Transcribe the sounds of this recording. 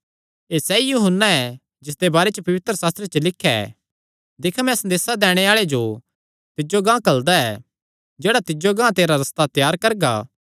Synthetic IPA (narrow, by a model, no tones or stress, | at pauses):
eːsɛijuɦənːaɛ | d͡ʒɪsd̪ebaːɾet͡ʃəpɐʋɪt̪ɾəsaːst̪ɾet͡ʃəlɪkʰːɛ̰ | d̪ekʰamɛ̃sɐnd̪eːsad̪ɛːɽ̃eaːɭed͡ʒo | t̪ɪd͡ʒoɡãːkɐld̪aɛ | d͡ʒeːɽat̪ɪd͡ʒoɡãːt̪eːɾaɾɐst̪at̪jaːɾkɐɾɡa̰ː